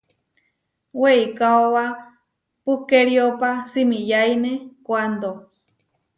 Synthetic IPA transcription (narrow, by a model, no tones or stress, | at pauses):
weikaowa | pukeɾiopasimĩjainekʷand̪o